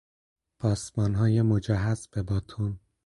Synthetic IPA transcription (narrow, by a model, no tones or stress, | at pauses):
pʰɒːsmɒːnɦɒːjemod͡ʒæɦæzb̥ebɒːt̪ʰon